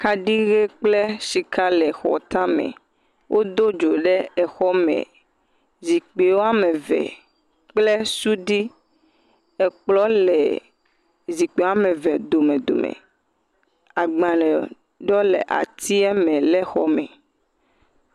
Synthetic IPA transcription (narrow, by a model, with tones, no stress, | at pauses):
ka˦ɖi˦ɣe˦k͡ple˦ʃi˨kʰa˦lɛ˨xɔ̰˨t̪a˦mɛ̰̃˨ | wʔo˦d̪o˦d͡ʒo˨ɖɛ˦ɛ˨xɔ˦mɛ̰̃˨ | zi˨k͡pe˨wo˦a˦mɛ˨vɛ̰˨ | k͡plɛ˦su˦ɖi˦ | ɛ˨k͡plɔ˦lɛ˨ | zi˨k͡pe˨wa˦mɛ̃˨vɛ˨d̪o˨mẽ˨d̪o̰˨mɛ̰˨ | a˨ɡ͡bã˨lɛ˨ | ɖɔ˦lɛ̰˨ʔa̰˨t̪ʰi˦ɛ˦mɛ̃˨lɛ˦xɔ˦mɛ̰˨